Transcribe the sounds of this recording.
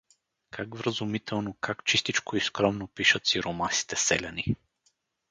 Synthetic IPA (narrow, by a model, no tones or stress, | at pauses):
kʰaɡvɾəzʊmit̪ʰɛlˠnokʰakt͡ʃist̪it͡ʃkoiskɾɔmnopiʃət̪siɾomasi̥t̪ɛsɛ̰lʲɐni